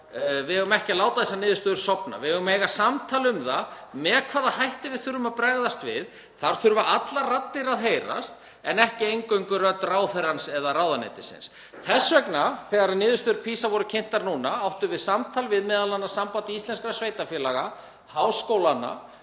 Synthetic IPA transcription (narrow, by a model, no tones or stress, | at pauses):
vɪɦɛɣʏmɛhcɪlaːwt̪aðɛsːanɪːðʏst̪ʏːðʏɾ̥sɔpna̰vɪɦɛɣʏmejɣasamt̪ʰaːlʏmðamɛːkʰvaːðahajht̪ɪvɪðθʏɾʏmaðpɾɛɣðast̪vɪð | θaɾ̥θʏɾvaʔat̪larat̪ːɪɾaðɦeːjɾa̰st̪ | ɛnɛhcɪejŋkœŋkʏrœt̪raːwθɛɾansɛðaraːwðanḛjt̪ɪ̥sɪ̰ns | θɛsːvɛknaθɛːɣaɾanɪːðʏst̪ʏðʏɾpʰiːsavɔɾʏcʰɪn̥t̪aɾnuːnaawht̪ʏvɪðsamt̪ʰaːlvɪðmɛːðalanːasampant̪ɪist̪ɛnskɾasvejt̪afjɛːlaɣa | hawskowlana̰